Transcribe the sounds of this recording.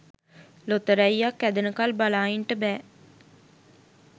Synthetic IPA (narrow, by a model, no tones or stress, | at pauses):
lot̪əɾæjːakːæd̪ənəkalbalaːiɳʈəbæː